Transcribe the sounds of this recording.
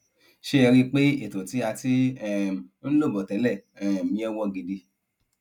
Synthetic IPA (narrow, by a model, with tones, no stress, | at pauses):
ʃe˦ɛ˧ɾi˦k͡pe˦e˦˨tũ˨ti˨˦a˧ti˦ɛ˦˨˦lo˦˨bɔ˨tɛ˨˦lɛ˦˨ɛ˨mĩ˨˦ɛ˧wɔ̃˧˨ɡe˨de˧